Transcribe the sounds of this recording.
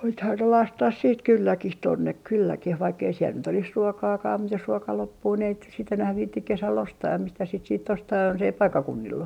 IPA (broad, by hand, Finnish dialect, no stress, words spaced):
nythæn ne lɑstɑh siːt kylːækih tonːek kylːækih ʋɑikː ei siel nyt olis ruokɑːkɑː mut jos ruokɑ lopːuː ni ei sit nyt enæh ʋiːtːik kesæl ostɑːm mistæs sit siːt ostɑː jonsei pɑikːɑkunːilː